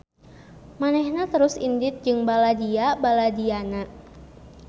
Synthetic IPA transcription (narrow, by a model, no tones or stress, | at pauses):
manɛhnat̪əɾʊsḭndɪt̪̚d͡ʒɨŋbaladiabaladiana